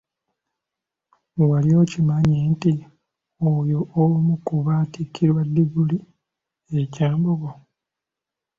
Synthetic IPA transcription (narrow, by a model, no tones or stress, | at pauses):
walio̞ːcimaɲenti | ojoʔolumukuβaːtikːiɾwadːiɡuli | ecaːmboβo